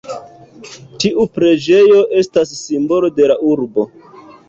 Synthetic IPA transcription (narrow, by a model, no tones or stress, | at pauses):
tiʔupɾe̞d͡ʒe̞jo̞ʔe̞stasːimbo̞lo̞de̞laʔuɾbo̞